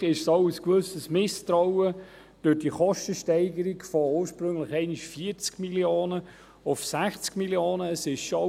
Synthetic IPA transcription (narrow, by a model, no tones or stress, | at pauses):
ɪʃsoʊəskvʏsəsmɪstɾɔʊə | d̥øːdiχɔʃtəʃtɛɪɡəɾikfooːɾʃpɾʏŋləχɛɪniʃfiəɾt͡skmiljoːnə | ʊfsæχt͡skmiljoːnəːsɪʃʃo